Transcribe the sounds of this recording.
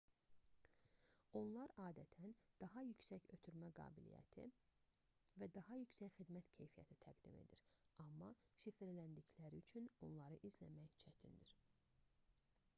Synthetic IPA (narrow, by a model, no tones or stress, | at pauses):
o̞nlˠɑɾɑːd̪æt̪ʰænd̪̥ɑɦɑjycʰsæçø̞t̪ʰyɾmæɡɑ̰ːbilḭjæ̰t̪ʰḭ | væd̪ɑɦɑjycsæcxid̪mæt̪cʰe̞jfijæ̰t̪ʰit̪ʰæɡd̪ime̞̰d̪iɾɑmːɑʃifiɾlænd̪içlæɾiyt͡ʃʰyno̞nlˠɑɾɯʔizlæmæjt͡ʃʰæt̪ʰind̪iɾ